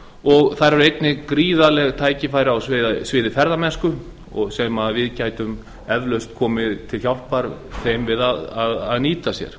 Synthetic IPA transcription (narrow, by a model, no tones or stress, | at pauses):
ɔɣθaɾɛɾejt̪nɪkɾiːðalɛɣt̪ʰaːjcɪfaːjɾɪawsvɪːðsvɪːðɪfɛɾðamɛnskʏ | ɔ̰ɣsɛmaðvɪðcaːjt̪ʏm | ɛvlœɥst̪kʰɔːmɪðt̪ʰɪlç̥jawl̥paɾθejmvɪðaðaðaðniːt̪asjɛ̰ɾ̥